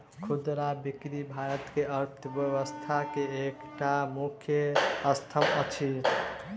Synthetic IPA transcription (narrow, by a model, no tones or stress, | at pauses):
kʰud̪ɾabikɾibʱaɾʌt̪keʌɾt̪ʰʌbjʌwəst̪ʰakeekʈamukʰjʌʌst̪ʰʌmʌt͡ʃʰi